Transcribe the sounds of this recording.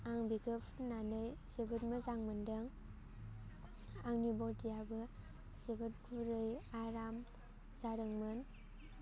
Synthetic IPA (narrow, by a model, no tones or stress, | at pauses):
aŋbiɡɯpʰnanɯjsebɯt̚mɯzaŋmɯndɯŋ | aŋnibɔltijabɯ | sebɯt̚ɡʰuɾɯjaɾam | zaɾɯŋmɯn